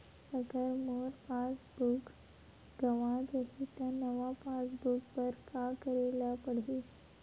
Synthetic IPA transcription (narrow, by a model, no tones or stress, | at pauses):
səkəɾmoɾpãt͡sbuk | ɡəʋãd͡zəɦit̪anəʋapãt͡sbuk̚pəɾkakəɾelapəɽ̤e